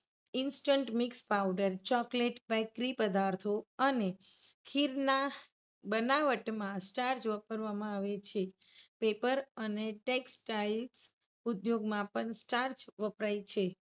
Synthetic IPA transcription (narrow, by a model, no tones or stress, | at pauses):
ɪnsʈəɳʈmikspawɖəɾt͡ʃɔkleʈbɛkɾipəd̪aɾt̪ʰoəne | kʰiɾna | bənaʋəʈmãsʈaɾd͡ʒʋəpəɾʋamãaʋet͡ʃʰe | pepəɾəneʈeksʈails | ud̪joɡmãpəɳsʈaɾd͡ʒʋəpɾait͡ʃʰe